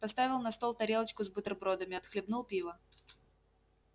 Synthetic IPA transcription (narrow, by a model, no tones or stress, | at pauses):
pɐst̪avʲɪlˠnɐst̪olˠt̪ɐɾʲelˠət͡ɕkʊzbɨt̪rbɾod̪əmʲɪɐt̪xlʲɪbnulˠpʲivə